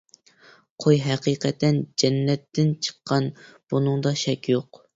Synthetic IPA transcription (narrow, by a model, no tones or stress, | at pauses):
qʰojɦɛqiːqʰɛt̪ɛnd͡ʒɛnːɛt̪ːɪnt͡ʃʰə̥qʰːɑnb̥unɨŋd̪ɑʃɛkʲjoq